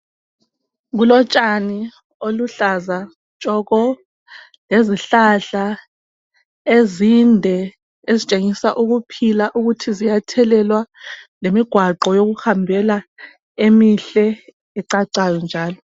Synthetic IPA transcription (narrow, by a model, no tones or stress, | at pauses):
ɣulɔt͡ʃʼani | oluɬaza | t͡ʃʼɔɣɔ | leziɬaɬa | ezindʱɛ | ezit͡ʃʼeŋisaʔuɣupʰilaʔuɣutʰizijatʰɛlɛlwalemiɡ̥ʱwaǃɔjoɣuhambʱɛla | emiɬɛ | ɛǀaǀajɔnd͡ʒʱaːlɔ